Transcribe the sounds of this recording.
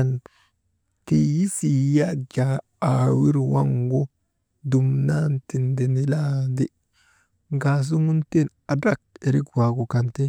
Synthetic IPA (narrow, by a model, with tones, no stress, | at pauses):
n | ki˨ji˦si˨ja˦d͡ʒa˨ | a˨wi˦ɾwa˦ŋɡo˦ | du˨mna˦nti˨nde˨ni˦la˦nde˦ | ŋɡa˨s̬u˦ŋu˦nte˦na˨ba˦˨k̚e˨ɾi˦kwa˨ɡu˨ka˨nte˦